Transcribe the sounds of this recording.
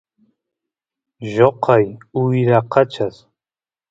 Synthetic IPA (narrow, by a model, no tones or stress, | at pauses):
ʒoqʰɑjʊjɾaqʰɑt͡ʃas